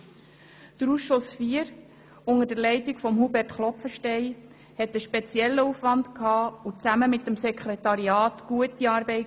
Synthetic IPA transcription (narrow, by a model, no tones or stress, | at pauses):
d̥əɾusʃʊsfiəɾ | ʊŋəd̥əɾlɛɪtikfɔmɦubɛɾtχlɔpfəʃtɛɪ | hɛtəʃpɛt͡sjɛlːəuːfʋɑnd̪kʰhɑːut͡sæməmɪtːəmsɛkχɾet̪ɑɾiɑːt̪ɡ̥uətiɑːɾbɛɪ